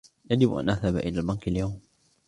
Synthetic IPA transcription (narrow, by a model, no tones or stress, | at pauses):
jad͡ʒɪbʔa̰nʔaðhabʔɪlaːlbankaljawm